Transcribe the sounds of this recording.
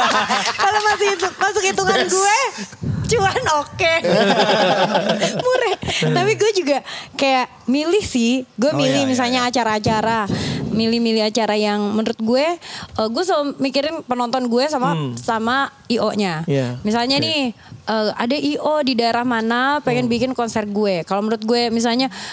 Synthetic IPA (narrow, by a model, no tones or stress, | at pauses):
kalomasʊkit̪umasʊkit̪ukanɡuet͡ʃuanoke | muɾɛht̪apiɡuɛd͡ʒuɡakajaʔ | milɪhsɪhɡuɛmilɪhmis̬alɲaːt͡ʃaɾaːt͡ʃaɾamilɪhmilɪɦat͡ʃaɾajaŋmənɾʊt̪̚ɡuɛʔəɡuɛsəmikiɾɪnpənɔnt̪ɔnɡuɛs̬amasama | iʔoɲamisalɲanɪh | ʔəːadaʔiʔodidaeɾahmanapeŋɛnbikɪnkɔnsɛrɡuɛkalomənɾʊt̪̚ɡuɛmis̬alɲa